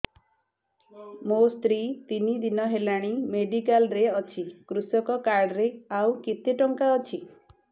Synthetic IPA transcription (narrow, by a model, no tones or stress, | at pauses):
most̪ɾit̪inid̪inɔɦelaɽ̃imeɖikalɾeɔt͡ʃʰikɾusɔkɔkaɾɽɔɾeawkit̪eʈɔŋkaɔt͡ʃʰi